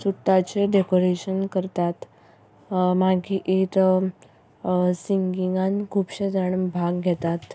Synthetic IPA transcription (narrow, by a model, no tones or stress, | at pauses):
suʈːat͡ɕeɖekoɾeɕənkəɾt̪at̪ | maɡiːʔit̪ | siŋɡiŋɡankʰupɕed͡zaɳəbʱaɡɡʱɛt̪at̪